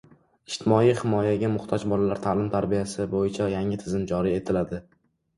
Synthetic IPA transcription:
ɪʃt̪ʰɪmɒijhɪmɒjaɡʲamʊχt̪ʰɒd͡ʒbɒlalaɾt̪ʰalɪmt̪ʰaɾbijasɪbojɪt͡ʃʰajaŋɪt̪ʰɪzɪmd͡ʒɒɾie̞t̪ʰɪlad̪ɪ

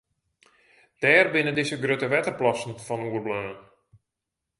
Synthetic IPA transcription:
d̥ɛːrbɪnədɪsəɡrøtəʋɛtərplɔsn̩fɔnuərbløːn

